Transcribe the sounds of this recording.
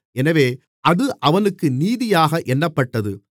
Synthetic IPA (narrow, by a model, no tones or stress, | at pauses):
ɛnɐʋeː | ʔɐðɯʔɐʋɐnɯkːɯniːðɪjaːɣɐʔɛnːɐpːɐʈːɐðɯ